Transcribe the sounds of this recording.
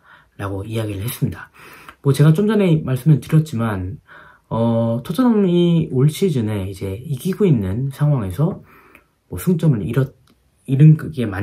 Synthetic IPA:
ɾaɡoiaɡiɾɯɭhe̞s͈ɯmɲidamʌt͡ɕe̞ɡat͡ɕʰomd͡ʑane̞maɭs͈ɯmɯntɯɾjʌt̚t͡ɕ͈iman | ʌtʰod͡ʑʰaɾamioɭɕ͈ʰid͡ʑɯne̞id͡ʑe̞iɡiɡoinːɯnsʰaŋɦwaŋe̞sʰʌ | mʌsʰuŋt͡ɕ͈ʌmɯɾiɾʌ | iɾɯnɡɡe̞ma

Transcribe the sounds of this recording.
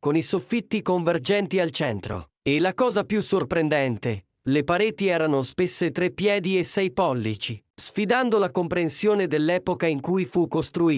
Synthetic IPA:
konisofːit̪ːikoɱverd͡ʒɛnt̪ialt͡ʃɛnt̪ɾo̰ | elːakɔːzapjusːorpɾend̪ɛnt̪e | lepaɾeːt̪iɛːɾanospesːet̪ɾepːjɛːd̪iesːɛjpɔlːit͡ʃisfid̪and̪olakompɾensjoːned̪elːɛːpokaiŋkujfukːost̪ɾuiː

